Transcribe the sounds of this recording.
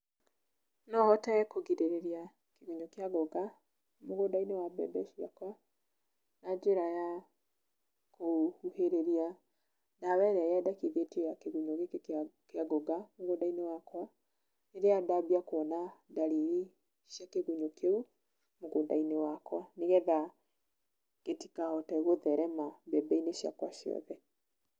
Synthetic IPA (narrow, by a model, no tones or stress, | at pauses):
nɔhɔtaɛkoɡiɾeɾeɾia | keɣuɲokeaɡoɡa | moɣodainewabɛ̰bɛʃia̰kwa | nad͡ʒeɾaja | kʰohuheɾeɾia | daβɛɾɛaadakiðetejakeɣuɲoɣekkeaɡoɡamoɣodainewakwa | neɾeadabiakoɔnadaɾiɾi | ʃjakeɣuɲokʰeu | moɣodainewakwaneɣɛða | ɡ̥etikaɔtɛɣoðɛɾɛmabɛbɛineʃja̰kwa̰ʃjɔ̰ðɛ